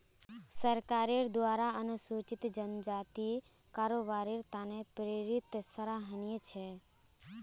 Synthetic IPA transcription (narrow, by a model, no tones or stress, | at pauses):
səɾkaːɾeɾd̪ʋaːɾaənsut͡ʃɪt̪d͡ʒənd͡ʒaːt̪i | kaːɾoːbaːɾeɾt̪aːnepɾeɾɪt̪səɾaɦənijet͡ʃʰe